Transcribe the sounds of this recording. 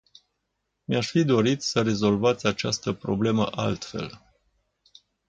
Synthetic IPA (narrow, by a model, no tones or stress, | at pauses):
meaʃfid̪o̞ɾit̪səɾe̞zo̞lvat̪sʲat͡ʃast̪əpɾo̞̰ble̞məʔalt̪fe̞̰l